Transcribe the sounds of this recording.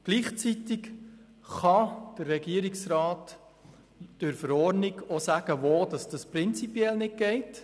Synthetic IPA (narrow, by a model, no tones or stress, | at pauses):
ɡ̥liːχt͡sitɪk | χɑd̥ərːɛɡiəɾiksɾɑːt | d̥ɵɾfəɾɔɾniɡosæɡ̥əʋoːd̥ɑsd̥ɑsprɪnt͡sipjɛlnɪt̚ɡ̥ɛɪt